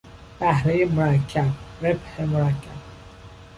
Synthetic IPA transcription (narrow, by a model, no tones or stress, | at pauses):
b̥æhɾejemoɾækʰːæb̚ɾebhemoɾækʰːæb̥